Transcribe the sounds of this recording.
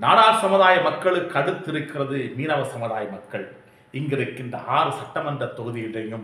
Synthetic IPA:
naːɽaːɾsɐmʊðaːjɐmɐkːɐɭɯkːɐɽɯt̪ːɪɾɯkːɪrɐðɯmiːnɐʋɐsɐmɯðaːjɐmɐkːɐɭ | ɪŋɡɪɾɯkːɪndrɐ̰ʔaːɾɯsɐʈːɐmɐndrɐt̪ːɔɣɯðɪjɪɽɐjɯm

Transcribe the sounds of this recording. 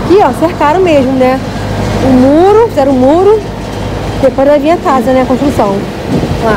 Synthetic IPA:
kɪɔsehkaɾɐ̃w̃meʒmʊnɛ | ʊmoɾʊfizɛɾ̃ʊmoɾʊ | sepõɾɐ̃ɐvĩɐkazɐnɛɐkõʃt̪ɾusɐ̃w̃ | la

